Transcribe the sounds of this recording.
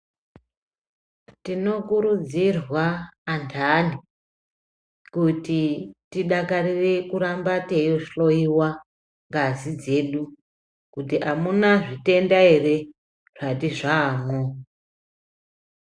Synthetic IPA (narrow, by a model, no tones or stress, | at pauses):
tino̞kuɾud͡zirwaːntʰani | kutitiɗakarire̞kuɾambatejoʂɬo̞iwa | ŋɡazid͡ze̞ɗu | kutiʔamunaʐite̞ndaere̞ | ʐ̥atiʐaːmo